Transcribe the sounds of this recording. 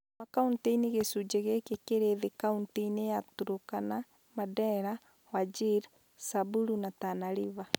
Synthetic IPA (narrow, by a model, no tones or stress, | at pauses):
makaunteineɣesud͡ʒeɣekekeɾeðekaunteinejatuɾokana | madɛɾa | wad͡ʒiɾ | sabuɾunatanaɾiβa